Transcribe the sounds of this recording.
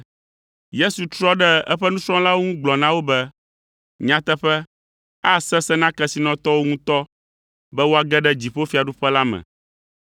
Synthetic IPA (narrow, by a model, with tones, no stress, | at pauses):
je˦su˨t̪ɾɔ˦ɖɛ˦ɛ̰˦ɸɛ˦nũ˦sɾɔ̃˦la˦wo˦ŋũ˦ɡ͡blɔ˨nã˦wo˦bɛ˦ | ɲã˦t̪ɛ˦ɸɛ˦ | a˦sɛ˦sɛ˦nã˦kɛ˦si˨nɔ̃˨t̪ɔ˦wo˦ŋũ˦t̪ɔ˦ | bɛ˦wo˦a˨ɡɛ˦ɖɛ˦d͡ʑi˨ɸo˦fi˨˦a˨ɖu˦ɸɛ˦la˦mɛ̰̃˨